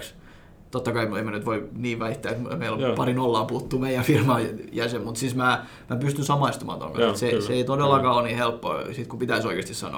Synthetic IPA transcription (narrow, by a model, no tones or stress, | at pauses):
ks | t̪ot̪ːɑkɑimemænyt̪ʋoiniːʋʋæiht̪ːæːet̪meilompɑrinolːɑːput̪ːuːmeijæfirmɑːjæsemmut̪sismæː | mæpyst̪ynsɑmɑist̪umɑ̰ːt̪o̰ŋkɑ̰nset̪seseeit̪odelːɑkɑːonniːhelpːo̰sit̪kupit̪æisoikest̪issɑ̰no̰ːˑ